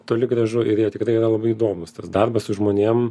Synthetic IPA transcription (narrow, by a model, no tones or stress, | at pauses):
t̪oːlʲɪɡrɐʒʊʔɪɾjiːt̪ʲɪkɾɐɪiɾɐlˠɐbɐɪid̪oːmʊst̪ɐsd̪ɐrbɐssʊʒmoːnʲeɛm